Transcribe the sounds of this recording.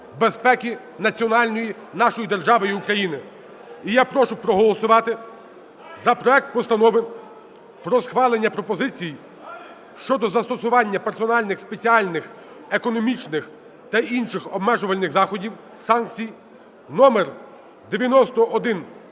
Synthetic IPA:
bespɛkʲi | nɐt͡sʲiɔnɑlʲnɔji | nɑʃɔjid̪erʒɑʋɔjiukɾɐjinɪ | ijapɾɔʃʊpɾɔɦɔlˠɔsʊʋɑt̪ɪ | zɐpɾɔɛk̚t̪̚pɔst̪ɐnɔʋɪ | pɾɔsxʋɑlˠenʲːɐpɾɔpɔzɪt͡sʲiji | ʃt͡ʃɔd̪ɔzɐst̪ɔsʊʋɑnʲːɐpersɔnɑlʲnɪxspe̞t͡sʲiɑlʲnɪx | ekɔnɔmʲit͡ʃnɪx | t̪ɐinʃɪxɔbmɛʒʊʋɐlʲnɪɣzɑxɔdʲiw | sɑnk̚t͡sʲij | nɔmer | d̪eʋʲjɐnɔst̪ɔʔːd̪ɪn

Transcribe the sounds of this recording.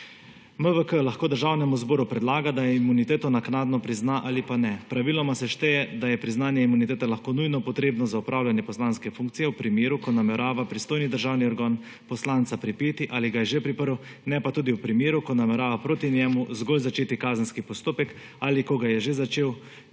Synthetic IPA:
məʋəkəlaxkoːd̪əɾʒawnɛmuzbɔːɾupɾɛd̪laːɡad̪ajɛimunit̪eːt̪ɔnaknaːd̪nɔpɾiznaʔalipanɛpɾaʋilɔmasɛʃt̪ɛjɛd̪ajɛpɾiznaːnjɛimunit̪eːt̪ɛlaxkoːnujnɔpɔt̪ɾeːbnɔzaupɾʔaːwlʲjanjɛpɔslanskɛfuŋkt̪sijɛwpɾimjeːɾukɔnamɛɾaːʋapɾist̪oːjnid̪əɾʒawniɔɾɡaːn | pɔslant̪sapɾipeːt̪iʔaliɡajɛʒepɾipəɾw | nɛpat̪uːd̪iwpɾimeːɾukɔnamɛɾaːʋapɾoːt̪injɛmuzɡolzat͡ʃeːt̪ikaːzənskipɔst̪oːpɛk | alikɔɡajɛʒezat͡ʃeːw

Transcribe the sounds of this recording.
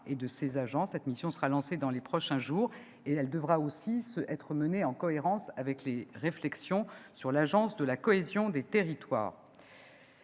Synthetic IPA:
ed̪əsezaʒɑ̃sɛt̪misjɔ̃səʁalɑ̃sed̪ɑ̃lepχɔʃɛ̃ʒuːʁ | eɛld̪əvʁaosisəʔɛt̪χəməneɑ̃kɔeʁɑ̃savɛkleʁeflɛksjɔ̃syʁlaʒɑ̃sd̪əlakɔezjɔ̃d̪et̪eʁit̪wa̰ːʁ

